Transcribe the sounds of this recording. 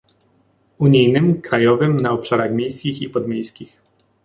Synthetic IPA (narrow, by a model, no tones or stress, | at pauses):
uɲijnɘmkɾajɔvɘmnaɔpʂaɾaxmʲjejskʲixipɔd̪mʲejskʲix